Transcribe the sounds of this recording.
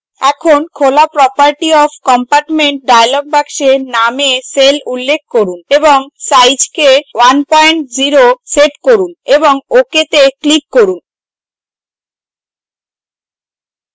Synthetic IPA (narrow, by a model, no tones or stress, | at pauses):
ɛkʰonkʰolapɾɔpaɾʈiɔfkɔmpaɾʈmeɳʈ̚ɖajlɔk̚bakʃenameselulːek̚ʰkoɾuneboŋsajd͡ʑkewanpɔeɳʈd͡ʑiɾoseʈkoɾuneboŋoket̪eklikːoɾun